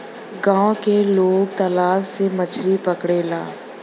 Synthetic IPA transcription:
ɡãːõkeloːɡt̪ɐlaːʋsemət͡ʃʰɾipɐkɽeːla̰ː

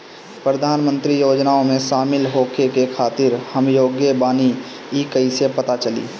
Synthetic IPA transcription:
pɾəd̪ʱaːnmə̃nt̪ɾijoːd͡ʒnaõmẽʃaːmɪlɦoːkʰekekʰaːt̪ɪɾhəmjoːɡjəbaːni | ɪkəisepət̪at͡ʃəlḭː

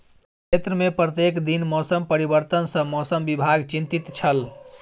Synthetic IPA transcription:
kʰet̪ɾəmepɾət̪jekd̪inmɔsəmpəɾibəɾt̪ənsə̃mɔsəmbibʱaɡt͡ʃint̪it̪t͡ʃʰəl

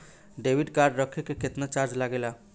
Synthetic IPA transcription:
ɖebiɖkaɾɖɾəkʰekeket̪nat͡ʃaɾd͡ʒlaɡela

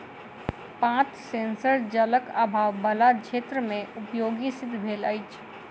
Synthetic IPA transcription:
pãːt͡ʃsẽːnsəɾd͡ʒələkabʱaːʋbəlat͡ʃʰeːt̪ɾəmẽʊpjoːɡisɪd̪ʱbʱeːla̰jt͡ʃʰ

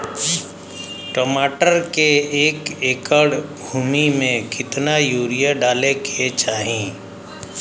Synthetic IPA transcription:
ʈoːmaːʈəɾkeeːkeːkəɽbʱuːmimẽkɪt̪najuːɾijaɖaːlekʰet͡ʃaːɦĩː

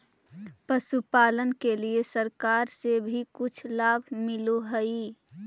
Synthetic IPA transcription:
pəsupaːlənkeliesəɾkaːɾsebʱikʊt͡ʃʰlaːbʱmɪloɦəi

